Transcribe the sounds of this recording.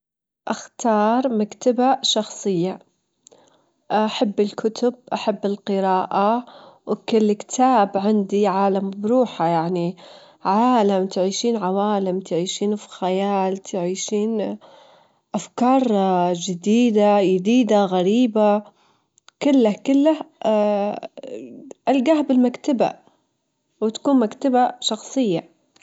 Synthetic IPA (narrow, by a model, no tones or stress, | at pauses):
ʔaxt̪ɑːɾˤmakt̪abaʃɑxsˤɨjːa | aħabːɪlkʰʊt̪ʊb̚ʔaħabːɪlqɨɾaːʔawkɪlːkt̪ʰaːbʕɪnd̪iʕaːlambɾuːħajaʕni | ʕaːlamt̪ʕiːʃiːnʕawaːlɪmt̪ʕiːʃiːnfi̥xajaːlt̪ʰɪʕiːʃiːn | ʔafkɑːɾˤd͡ʒɪd̪iːd̪ajɪd̪iːd̪aɣaɾiːba | kɪlːahkɪlːah | ʔalɡahbɪlmakt̪aba̰ | wɪt̪ḁkuːnmakt̪abaʃɑxsˤɨjːa